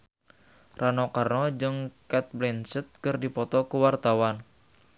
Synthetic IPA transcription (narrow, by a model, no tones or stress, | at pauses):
ranɔkarnɔd͡ʒɨŋkɛt̪̚blɛnsət̪̚kɨrdipɔt̪ɔkuwart̪awan